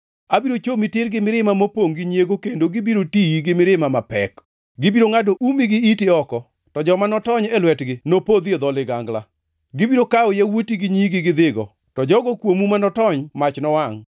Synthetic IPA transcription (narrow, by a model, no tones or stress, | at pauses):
abiɾot͡ʃomitɪɾɡɪmɪɾɪmamopoŋɡɪɲjeɡokendoɡɪbiɾotiiɡɪmɪɾɪmamapɛk | ɡɪbiɾoŋadoʔumiɡɪitɪɔkɔ | tɔd͡ʒɔmanɔtɔɲɛlwɛtɡɪnopod̪ed̪ɔlɪɡaŋɡla | ɡɪbiɾokaojawotiɡɪɲiɡɪɡɪd̪ɪɡɔ̰ | tɔd͡ʒɔɡɔkwomumanɔtɔɲmat͡ʃnɔwaŋ